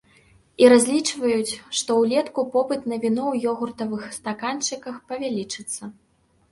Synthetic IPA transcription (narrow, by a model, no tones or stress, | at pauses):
iɾazʲlʲit͡ʂvɐjut͡sʲʂt̪ɔwlʲɛt̪kupɔpɨt̪nɐvʲinɔwjɔɣurt̪ɐvɨxst̪akant͡ʂɨkɐxpɐvʲalʲit͡ʂɨt̪sːɐ